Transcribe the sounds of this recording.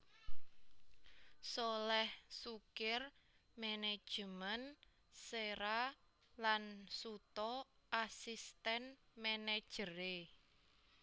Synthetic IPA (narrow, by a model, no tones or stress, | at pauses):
solɛhsukɪr | mɛned̥ʒ̥əmən | seɾa | lansut̪ɔʔasist̪ɛnmɛned̥ʒ̥əɾe